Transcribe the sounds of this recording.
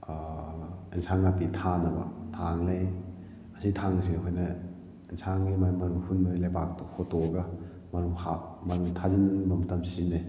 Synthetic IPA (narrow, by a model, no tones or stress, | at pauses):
insaŋnapitʰanɐbɐ̰tʰaŋlaj | ɐsitʰaŋsekʰojnɐ | insaŋajmajmɐɾuhunmɐɾilajpak̚tɔhʰotɔɡɐ | mɐɾuhamɐɾutʰazinbɐmɐtɐmsine